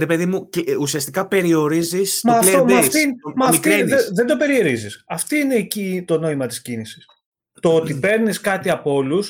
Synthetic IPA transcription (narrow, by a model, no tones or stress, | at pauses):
ɾepe̞ðimuceusiɐst̪ikɐpe̞ɾio̞ɾizismɐleomɐftt̪iinmɐmitk̪ieeðend̪o̞pe̞ɾieɾizisɐft̪oine̞ːcit̪o̞no̞imɐt̪i̥scinisi̥s | t̪o̞ot̪ipe̞ɾniskɐt̪iɐpo̞lus